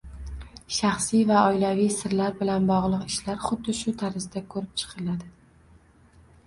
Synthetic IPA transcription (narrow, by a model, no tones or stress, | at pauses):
ʃaχsijvaɒjlavijsɪɾlaɾbɪlanbɒʁlˠɨqɪʃlaɾχʊd̪ːɪʃʊt̪ʰaɾɪzd̪akʰɵɾɪp̚t͡ʃʰɨ̥qʰɨlad̪ɪ